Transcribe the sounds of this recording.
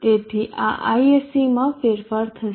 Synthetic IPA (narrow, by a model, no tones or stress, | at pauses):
t̪et̪ʰiʔa̰ʔa̰iesimãfeɾfaɾt̪ʰəʃ